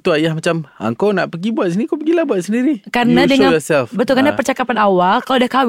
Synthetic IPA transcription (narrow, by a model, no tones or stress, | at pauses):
t̪uajahmat͡ʃama̰ŋkownaʔpəɡibuat̪s̬inikopəɡilahbuat̪̚səndiɾikarənãdəŋãjɔsɛlfbət̪ʊlkarənapərt͡ʃakapanawalkalodahkaw